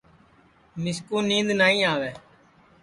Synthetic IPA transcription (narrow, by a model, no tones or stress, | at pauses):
mɪskuːnĩːnd̪naːĩːaːʋɛː